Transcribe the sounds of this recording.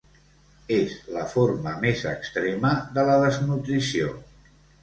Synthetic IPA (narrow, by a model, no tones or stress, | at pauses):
ezləfoɾməmezəkst̪ɾeməðələðəznut̪ɾisio